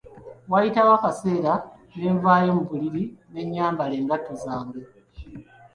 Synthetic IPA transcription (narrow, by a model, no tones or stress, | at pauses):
wajitawakase̞ːɾa | ne̞ːɱvaːjomuβuliɾine̞ɲːaːmbale̞ːŋɡatːozaːŋɡo